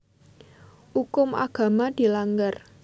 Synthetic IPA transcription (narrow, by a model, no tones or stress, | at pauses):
ukʊmʔa̰ɡ̥a̤mad̪̥i̤laŋɡar